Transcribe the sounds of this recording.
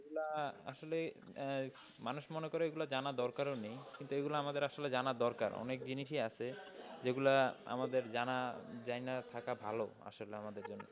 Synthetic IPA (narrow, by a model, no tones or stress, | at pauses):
eɡulaa̰ʃole | manuʃmɔnekoɾeeɡulad͡ʑanad̪ɔɾkaɾenejkint̪ueɡulaamad̪eɾaʃoled͡ʑanad̪ɔɾka̰ɾɔ̰nek̚d͡ʑiniʃʰiaʃʰed͡ʑeɡulaa̰mad̪eɾd͡ʑanad͡ʑajnat̪ʰakabʱalo̰a̰ʃoleamad̪eɾd͡ʑonːo